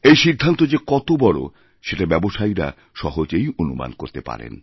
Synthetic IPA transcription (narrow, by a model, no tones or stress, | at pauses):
ejʃid̪ʱːant̪od͡ʑekɔt̪obɔɽo̰ | ʃeʈabɛboʃajɾa̰ | ʃɔɦod͡ʑejonuma̰nkoɾt̪epa̰ɾḛn